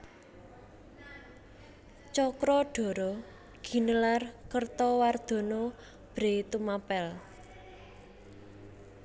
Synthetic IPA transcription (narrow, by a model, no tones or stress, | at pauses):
t͡ʃɔkɾɔɖ̥o̤ɾɔ | ɡ̥i̤nəlarkərt̪ɔward̪̥ɔ̤nɔ | b̥ɾet̪umapɛl